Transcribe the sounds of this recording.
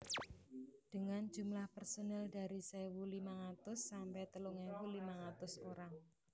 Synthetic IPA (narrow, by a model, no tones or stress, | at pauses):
d̥əŋand͡ʒṳmlahpərsonɛlda̤ɾisɛwulimaɣat̪ʊsːampɛt̪əluŋɛpulimaŋat̪ʊsoɾaŋ